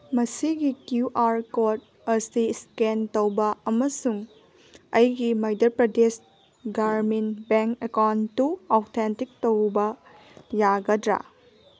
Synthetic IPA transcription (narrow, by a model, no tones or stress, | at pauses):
mɐsiɡikjuʔaɾkot̚ | ɐsiskentowbɐɐmɐsuŋ | ɐjɡimɐjdɐɾpɾɐdes | ɡaɾmenbeŋkekawntːuowtʰentik̚towbɐ | jaɡɐdɾa̰